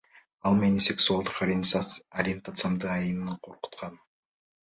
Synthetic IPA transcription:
ɑlˠmenisʲe̞ksualˠd̪əqɾɐɾʲient̪at̪sɨamd̪əɑjənnəɴqʰo̞ɾqʊ̥t̪qʰɑn

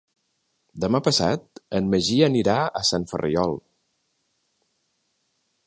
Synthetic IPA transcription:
d̪əmapəsat̪̚ənməʒiəniɾaə̰saɱfə̰rʔḭɔlˠ

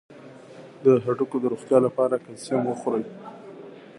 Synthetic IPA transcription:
d̪əɦaʈukod̪əɾoxt̪jɑlapɑɾakasamwəxoɾəj

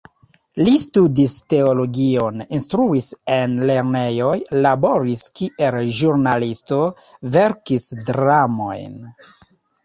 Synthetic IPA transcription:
listudiste̞olo̞ɡio̞ninstɾuisenle̞ɾne̞jo̞jlabo̞ɾiskiʔe̞lʒuɾnalisto̞ | ve̞ɾkisdɾamo̞̰jn

